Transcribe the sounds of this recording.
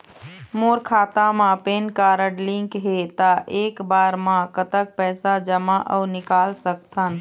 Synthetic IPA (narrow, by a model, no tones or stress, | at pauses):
moɾkʰaːt̪amãpeːnkaɾəɽlɪ̃ŋkɦet̪aʔekbaːɾmãkət̪ək̚pɛːsad͡ʒəmaʔə̰ʊnɪkaːlsək̚t̪ʰən